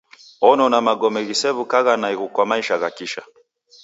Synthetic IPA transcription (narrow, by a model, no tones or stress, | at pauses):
ɔnɔnamaɡɔmɛɣisɛβukaɣanaiɣukwamaiʃaɣakiʃa̰